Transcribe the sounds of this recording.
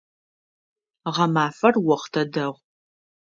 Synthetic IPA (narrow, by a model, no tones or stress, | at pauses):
ʁɐmaːfɐrwɔχtʰɐdɐʁʷ